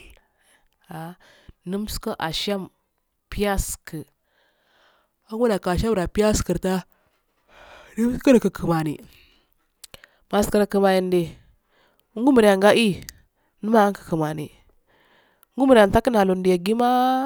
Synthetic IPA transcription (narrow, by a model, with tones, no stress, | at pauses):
a˨ | nə˦m˦skə˦ʔa˨ʃa˦m | pi˦ja˦skə˨ | a˦ŋu˦da˨ka˨ʃa˦mɾa˨pi˦a˦skə˨ɾta˦ | ni˦m˦skə˦nə˨kə˨kʰə˨ma˨nḭ˨ | ma˨ska˨ɾkə˨ma˨ji˨nde˨˦ | ŋɡu˦mə˨ɾja˨ŋɡa˦ʔi˦ | nə˦ma˦a˦kə̥˨kə˨ma˨ni˨˦ | ŋ˦ɡu˦mə˨ɾa˨n˨ta˦kə˦na˨lo˨ndi˨ja˨ɡi˦ma˦